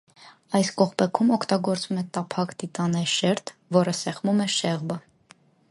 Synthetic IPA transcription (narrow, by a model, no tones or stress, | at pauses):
ɑjskɔχpɛkʰumɔkʰt̪ɑɡɔɾt͡svumɛt̪ɑpʰɑkt̪it̪ɑnɛjʃɛɾt̪ʰvɔɾəsɛχmumɛʃɛʁbə